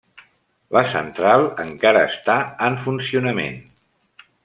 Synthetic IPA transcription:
ləsə̰nt̪ɾalˠəŋkaɾəːst̪aəɱfunsiunəmḛn

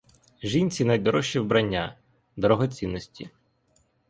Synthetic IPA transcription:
ʒinʲt͡sʲinɐjd̪ɔɾɔʃiwbɾɐnʲːa̰ | d̪ɔɾɔɦɔt͡sʲinːɔsʲtʲḭ

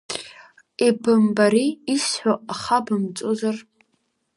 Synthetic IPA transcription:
ibɨmbaɾiːsħʷᶣoʔaχabɨmt͡sʷʼozar

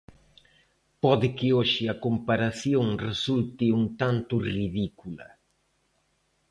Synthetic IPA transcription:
pɔðɪkɪoʃɪɐkompaɾaθjoŋresult̪ɪuŋt̪ant̪ʊriðikulɐ̰

